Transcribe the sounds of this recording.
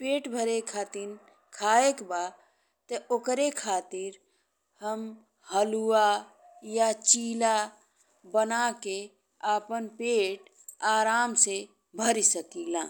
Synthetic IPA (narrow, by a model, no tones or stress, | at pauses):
peːʈbʱəɾekʰaːt̪ɪn | kʰaːekba | t̪ɔokɾekʰaːt̪ɪɾ | həm | ɦəlua | jat͡ʃiːla | bənake | aːpənpeːʈ | aːɾaːmse | bʱəɾisəkilãː